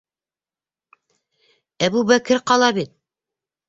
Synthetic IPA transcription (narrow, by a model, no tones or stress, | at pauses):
æbuβækɘɾqɑlˠɑβit̪̚